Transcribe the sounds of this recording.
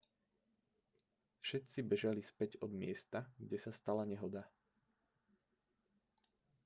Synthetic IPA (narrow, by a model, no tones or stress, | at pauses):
fʃɛt̪t͡sibɛʒalispɛɟɔd̪mɪɛst̪aɡɟɛsast̪alaɲɛɦɔd̪a